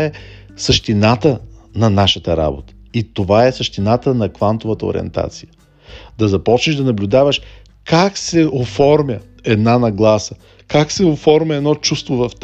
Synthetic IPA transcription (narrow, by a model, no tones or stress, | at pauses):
ɛ | səʃt̪inat̪ənɐnaʃət̪əɾa̰bot̪ə̥it̪ovaɛsəʃt̪inat̪ənɐkvant̪ovət̪əo̰ɾʲḭɛ̰nt̪a̰t̪sijə | d̪ɐzɐpɔt͡ʃniʒd̪ɐnɐblʲʊd̪avəʃ | kaksɛofɔɾmʲjə | ɛd̪nanɐɡlˠasə | kaksɛofɔɾmʲəɛd̪nɔt͡ʃust̪vovɐft̪